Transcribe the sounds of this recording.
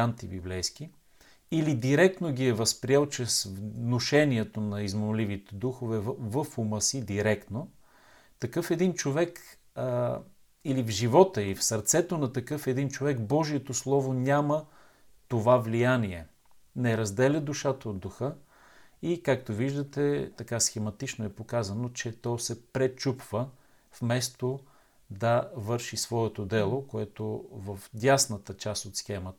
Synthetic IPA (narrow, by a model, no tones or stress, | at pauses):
ant̪ibḭblɛjsk̟i | ilid̪iɾɛk̚t̪noɡʲiɛvəspɾiɛlˠt͡ʃɛsvnoʃɛniɛt̪onɐizmomlivit̪ɛd̪uxovɛvəfuməsid̪iɾɛkt̪no | t̪ɐkɤfɛd̪int͡ʃovɛk | ilivʒivɔt̪əiifsəɾt̪sɛt̪onɐt̪ɐkɤfɛd̪int͡ʃovɛkbɔʒiɛt̪oslˠɔvonʲamə | t̪ovavlijaniɛ | nɛɾɐzd̪ɛlʲɐd̪uʃat̪əod̪ːuxɤ | ikak̚t̪oviʒd̪ət̪ɛt̪ɐkasxɛmɐt̪it͡ʃnoɛpokazɐnot͡ʃɛt̪ɔsɛpɾɛt͡ʃupv̥ə | fmɛst̪o | d̪ɐvɤɾʃisvɔɛt̪od̪ɛlˠokoɛt̪ovəfd̪ʲasnət̪ət͡ʃast̪ot̪sxɛmət̪